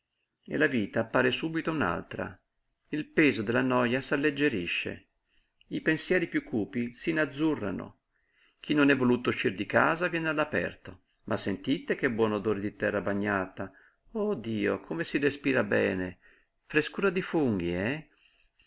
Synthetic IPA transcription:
ḛlaviːt̪aːpːaːɾesuːbit̪ouna̰lt̪ɾa̰ | ilpɛːzod̪elːanɔjasalːed͡ʒːeɾiʃːḛ | ipensjɛːɾipjukʰːuːpisinad̪zːurːa̰no̰ | kʰinːonɛvːoluːt̪ouʃːird̪ikaːzavjɛːnealːapɛ̰rt̪o | mʔasːent̪it̪ek̟ebːwɔːnod̪oːɾed̪it̪ɛrːabaɲːaːt̪a | od̪iːo̰kʰomesirespiːɾabɛ̰ːne | fɾeskuːɾad̪ifuŋɡ̟iɛ

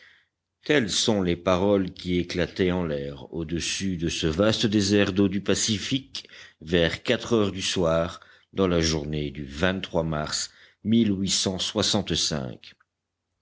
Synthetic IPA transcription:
t̪ɛlsɔ̃lepaʁɔlkʲieklat̪ɛɑ̃lɛʁod̪əsyd̪əsəvast̪əd̪ezɛʁd̪od̪ypasifikvɛʁkat̪χœʁd̪yswaːʁ | d̪ɑ̃laʒuʁned̪yvɛ̃t̪t̪ːχwama̰ʁs | milwisɑ̃swasɑ̃t̪sɛ̰̃k

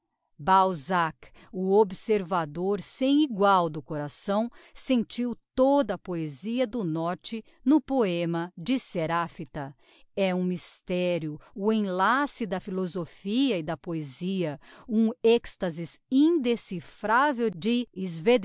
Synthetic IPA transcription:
bawzak | ʊobseɾvad̪oɾsẽj̃iɡwawd̪ʊkoɾasɐ̃w̃sẽnt͡ʃiwt̪od̪ɐpoeziɐd̪ʊnɔɾt͡ʃɪ | nʊpoẽmɐd͡ʒɪseɾafit̪ɐ | ɛũmist̪ɛɾjʊːẽj̃lasɪd̪ɐfilozofiɐɪd̪ɐpoeziɐũɛkst̪ɐzɪzĩd̪esifɾavewd͡ʒɪɪzved̪

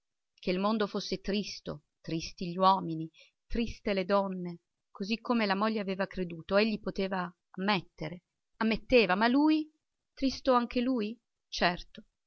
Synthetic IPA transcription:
k̟eilmond̪ofosːet̪ɾist̪o̰ | t̪ɾist̪iʎiwɔːmini | t̪ɾist̪eled̪ɔnːe | kʰozikʰːomelamoʎːeaveːvakɾed̪uːt̪oeʎːipot̪eːvaː | mːet̪ːeɾe | amːet̪ːeːvamaluj | t̪ɾist̪oaŋk̟eluːj | t͡ʃɛrt̪o

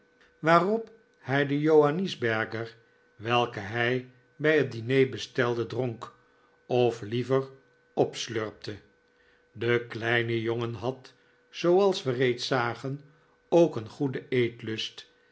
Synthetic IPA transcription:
ʋaːrɔp | hɛjdəjowanizbɛɹkəɹ | ʋɛlˠkəɦɛj | bɛjɦət̚dinejbəstɛlˠdədroŋk | ɔflivər | ɔpsløɹp̚tʰə | dəklɛjnəjoŋənɦɑt | z̥owɑlˠsʋərejtsaːχən | owkənχudəejtlɵst

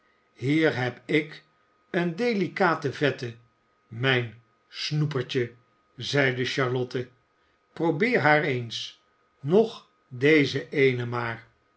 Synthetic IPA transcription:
hiːɹɦɛpɪk | əndejlikaːtəvɛtə | mɛjn | snupəɹt͡ʃə | zɛjdəʃɑɹlɔtə | prowbɪːɹɦaːɹejns | nɔχ | dejzəʔejnəmaːɹ

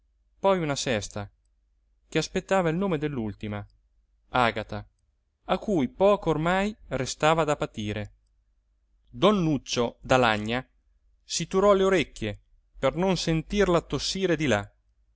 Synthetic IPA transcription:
pɔjunasɛst̪a | k̟easpet̪ːaːvailnoːmed̪elːult̪ima | aːɡat̪a | akːujpɔːkoormajrest̪aːvad̪apat̪iːɾe | d̪ɔnːut͡ʃːod̪alaɲːa | sit̪uɾɔleoɾekːje | pernonsent̪irlat̪ːosːiːɾed̪ila

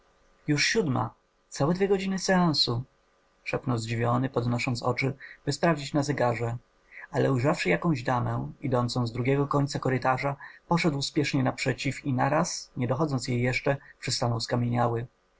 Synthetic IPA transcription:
juʂɕud̪ma̰ | t̪sawɛd̪vʲjɛɡɔd͡ʑinɘsɛãñsu | ʂɛpnɔwzd͡ʑivʲjɔnɘpɔd̪nɔʂɔnt̪sɔ̰t͡ʂɘb̥ɘspɾavd͡ʑit͡ɕnazɛɡaʐɛ | alɛujʐafʂɘjakɔ̃w̃ʑd̪amɛ̃id̪ɔnt̪sɔ̃w̃zd̪ɾuɡʲɛɡɔkɔɲʲt̪sakɔɾɘt̪aʐapɔʂɛd̪wspʲjɛʂɲɛnapʂɛt͡ɕifinaɾasɲɛd̪ɔxɔd̪zɔnt̪sjejːɛʂt͡ʂɛpʂɘst̪anɔwskamʲjeɲawɘ

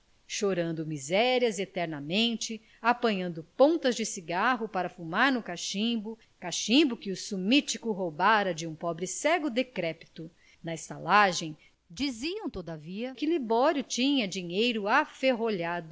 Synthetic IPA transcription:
ʃoɾɐ̃nd̪ʊmizɛɾiɐzet̪ɛɾnɐmẽnt͡ʃɪ | apɐ̃ɲɐ̃nd̪ʊpõt̪ɐzd͡ʒɪsiɡaɦʊpaɾɐfumaɾnʊkaʃĩbʊ | kaʃĩbʊkɪʊsumit͡ʃikʊɦobaɾɐd͡ʒɪũpɔbɾɪsɛɡʊd̪ekɾɛpi̥t̪ʊ | nɐest̪alaʒẽj̃ | d͡ʒiziɐ̃w̃t̪od̪ɐviɐkɪlibɔɾjʊt͡ʃĩɲɐd͡ʒĩɲejɾʊafeɦoʎad̪ʊ

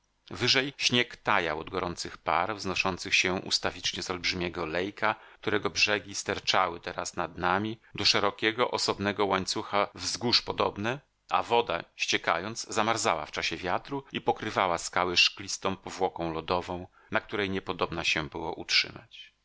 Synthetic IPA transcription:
vɘʐɛjɕɲɛkt̪aja̰wɔd̪ɡɔɾɔnt̪sɘxpaɾvznɔʂɔnt̪sɘxɕɛʔṵst̪avʲit͡ʂɲɛzɔlbʐɘmʲjɛɡɔlɛjkʰak̚t̪uɾɛɡɔbʐɛɡʲist̪ɛɾt͡ʂawɘt̪ɛɾasnad̪namʲid̪ɔʂɛɾɔkʲɛɡɔʔɔsɔbnɛɡɔwaɲt̪suxavzɡuʂpɔd̪ɔbnɛ | ʔa̰vɔd̪a̰ɕt͡ɕɛka̰jɔnd̪z̥zamaɾzawa̰ft͡ʂaɕɛvʲjat̪ɾuipɔkɾɘvawaskawɛʂklʲist̪ɔ̃w̃pɔvwɔkɔ̃w̃lɔd̪ɔvɔ̃w̃ | nak̚t̪uɾɛjɲɛpɔd̪ɔbnaɕɛbɘwɔʔutʂɘ̰ma̰t͡ɕ

